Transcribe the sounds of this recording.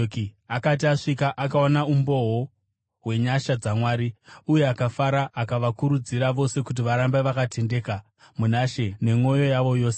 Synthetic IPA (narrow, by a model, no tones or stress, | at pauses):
kiakat̬iaʂikaʔakaonaumbo̞ɦo | we̞ɲaʃad͡zamwaːɾiuje̞akafaɾaʔːkaʋakuɾud͡ziɾaʋo̞se̞kut̬iʋaɾambeʋakatʰe̞nde̞ka | munaʃe̞ne̞ŋo̞jo̞jaʋo̞jo̞ːse